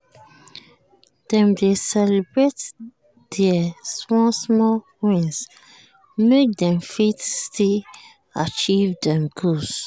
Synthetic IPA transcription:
d̥ɛ̃mdesɛlibɹet | d̥ɛasmɔsmɔ | wĩns | mek̚dɛ̃mfitstil | at͡ʃivdɛ̃mɡos

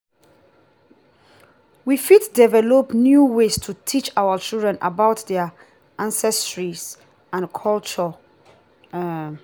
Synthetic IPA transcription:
wifiddɛvɛlopnjuwestʰutʰit͡ʃawət͡ʃildɹɛ̃nʔa̰baʊtdɛə | ʔãnsɛstɹis | ãnkʰɔlt͡ʃə

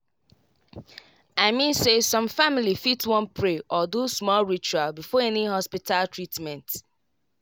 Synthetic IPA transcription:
aɪmĩnsesɔ̃mfamilifitwɔ̃npʰɹeʔɔdusmɔlɹit͡ʃualbifɔɛnihɔspitʰaltɹitmɛ̃nt

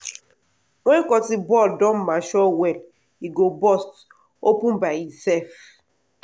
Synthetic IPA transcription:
ŋʷekɔtibɔldɔmmaʃɔwɛl | iɡobɔst | opũnbaisɛf

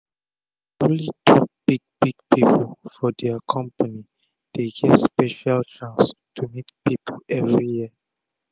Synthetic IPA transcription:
litʰɔp̚b̥iɡ̚b̥iɡ̚piplfɔdɛakʰɔ̃mpani | d̥eɡɛvspɛʃalt͡ʃãnstʰumitpipʰəlɛvɹijiə

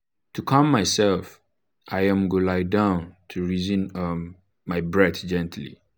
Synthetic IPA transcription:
tʰukʰɔ̃mːaɪsɛlf | ʔajãmɡolaɪdãʊ̃ntʰuɹizĩnmː | aɪbɹɛtd͡ʒɛ̃ntʰlḭ

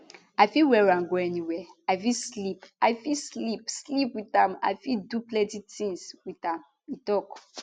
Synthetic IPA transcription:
ajfiwɛɹãnɡoɛniwɛafislipaɪfislipslipwiθãma̰jfiduplɛ̃titĩŋswiθãm | itɔk

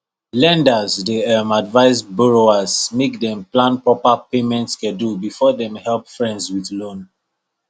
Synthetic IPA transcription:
lɛ̃ndazdeɛmadvaɪsbɔɹoazmekdɛ̃mplãnpɹɔpapemɛ̃ntskɛ̃dubifɔdɛ̃mhɛlpfɹɛ̃ndswiθlõn

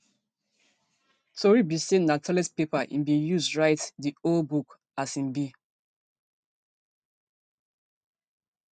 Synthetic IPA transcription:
tʰoɹibisennatʰɔlɛspepaʔḭ̃mbĩjuzdɹaɪtdiolbuk | asĩmbi

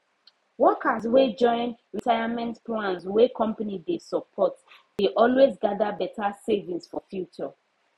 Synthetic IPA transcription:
wɔkaswed͡ʒɔ̃ɪ̃nɹitʰaɪjamɛ̃ntplãnswɛkʰɔ̃mpanidesɔpʰɔt | d̥eʔɔlwezɡadabɛtasevĩŋsfɔfjut͡ʃɔ

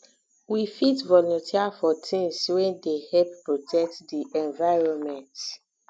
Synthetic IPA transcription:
wifitvɔlɔ̃ntʰiafɔtʰĩnswɛ̃ndehɛp̚pɹɔtʰɛk̚tdiʔɛ̃nvaɪɹɔ̃nmɛ̃nt

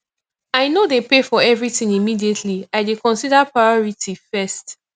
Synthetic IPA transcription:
aɪnodepefɔɛvɹitĩŋimidietʰliaɪdekɔ̃nsidapɹajɔɹitʰifɛst

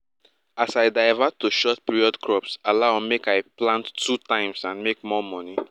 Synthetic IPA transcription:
asaɪdaɪvatʰːuʃɔt̚piɹiɔdkʰɹɔpsalamekaɪplãnttʰutãɪ̃msãnmek̚mɔmɔni

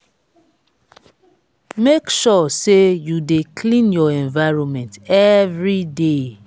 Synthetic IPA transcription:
mekʃɔsejudekʰlĩnjɔɛ̃ɱvaɪɹɔ̃nmɛ̃ntɛvɹide

